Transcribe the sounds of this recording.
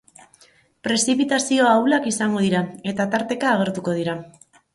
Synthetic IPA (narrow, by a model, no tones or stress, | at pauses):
pɾe̞sipit̪asio̞awlakisaŋɡo̞ð̞iɾae̞t̪at̪aɾt̪e̞kaːɣ̞e̞ɾt̪uko̞ð̞iɾa